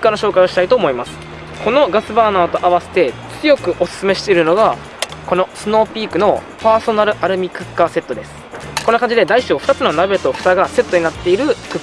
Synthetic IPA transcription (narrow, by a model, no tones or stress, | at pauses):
kɯ̥kːanoɕo̞ːkaioɕi̥t̪ait̪oːmo̞imasɨ̥ | kʰo̞no̞ɡasɨbaːnaːt̪o̞ʔaβ̞ase̞̥t̪e̞t͡sɨjo̞kɯ̟ʔo̞sɨ̥sɨme̞ɕi̥t̪e̞iɾɯ̟no̞ɡa | ko̞no̞sɨno̞ːpʲiːkɯ̟no̞paːso̞naɾɯ̟ʔaɾɯ̟mʲikɯ̟kːase̞t̪ːo̞d̪e̞sɨ̥ | ko̞nːokãɲ̟d͡ʑid̪e̞d̪aiɕo̞ːɸɯ̟t̪at͡sɨnonabe̞t̪oɸɯ̟t̪aɡase̞t̪ːo̞ɲ̟inat̪ːe̞iɾɯ̟kɯ